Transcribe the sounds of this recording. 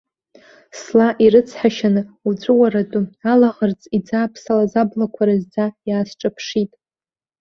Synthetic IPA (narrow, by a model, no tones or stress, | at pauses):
slaʔiɾɨt͡sʰħaʃanɨud͡zʷʼʊwaɾatʼʊalaʁərt͡sʼid͡zaːpʰsalazablakʷʰaɾazd͡zajaːsʈ͡ʂʼapʰʂitʼ